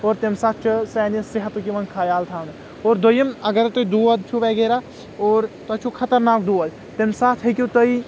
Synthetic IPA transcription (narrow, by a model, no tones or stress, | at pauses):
oːɾt̪emsat̪̚ʰt͡ʃʰɐsɛːnɐseɦɐt̪ukiʋɐnkʰaːjaːlt̪ʰaːn | oːɾd̪ojɐmɐɡɐɾt̪oid̪uːɐd̪t͡ʃʰuʋeɡeːɾa | oːɾt̪ɐt͡ʃʰukʰɐt̪ɐɾnaːk̚d̪uːɐl | t̪emsaːt̪ʰɦɐkʲut̪oi